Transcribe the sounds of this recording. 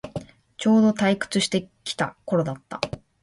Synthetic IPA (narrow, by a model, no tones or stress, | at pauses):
t͡ɕo̞ːd̪o̞t̪aikɯ̟̥t͡sɨɕi̥t̪e̞kʲi̥t̪a̰ko̞ɾo̞d̪at̪ːa̰